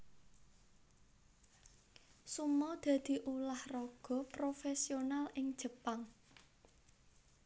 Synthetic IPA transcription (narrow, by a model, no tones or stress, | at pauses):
sumɔd̪̥a̤d̪̥i̤ʔulahrɔɡ̥ɔ̤pɾofesionalɪŋd̥ʒ̥ə̤paŋ